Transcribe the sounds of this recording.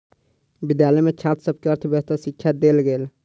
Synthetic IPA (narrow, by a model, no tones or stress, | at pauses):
bɪd̪jalɛmet͡ʃʰaːt̪səb̚keəɾt̪ʰbeɦt̪əɾsɪkʰːjad̪eːlɡeːl